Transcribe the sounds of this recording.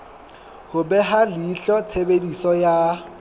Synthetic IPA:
hʊbɛɦalɪːɬɔt͡sʰebedisɔja

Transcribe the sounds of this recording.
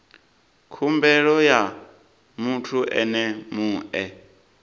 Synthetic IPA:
kʰumbɛɺɔja | mutʰuʔɛ̰nɛmuːʔɛ

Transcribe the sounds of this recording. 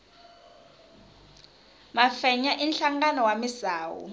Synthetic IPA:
mafɛɲaʔinɬaŋɡanɔwamizaːwṵ

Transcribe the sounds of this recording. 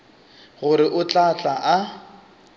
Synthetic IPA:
ɣʊɾɪʔʊt͡ɬʼat͡ɬʼaʔa

